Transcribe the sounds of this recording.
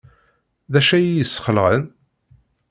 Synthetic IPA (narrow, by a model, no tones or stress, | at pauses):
ðæʃæjjəsːχəlʁən